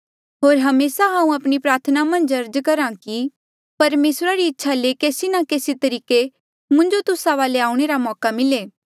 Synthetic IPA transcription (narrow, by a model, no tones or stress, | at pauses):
ɦoːɾɦɐmeːsaɦãːũɐpɽ̃ipɾaːɾt̪ʰənamɐ̃nd͡ʒɐɾd͡ʒkɐɾãki | pɐɾmeːsɾaɾiɪtːʃʰalekeːsinakeːsit̪ɐɾiːke | mʊ̃nd͡ʒot̪ʊsaʋaːleaːuɽ̃eɾamɔːkamɪleː